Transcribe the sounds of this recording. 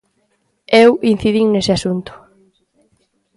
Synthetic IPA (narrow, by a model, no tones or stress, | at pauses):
ewin̟θiðiŋnesɪasunt̪ʊ̥